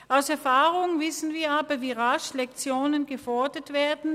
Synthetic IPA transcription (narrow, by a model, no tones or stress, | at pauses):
ʔaʊsɛɐfaːʁʊŋvɪsn̩viːɐaːbɐviːʁaʃlɛkt͡sjoːnənɡəfɔɐdətv̥eːɐdn̩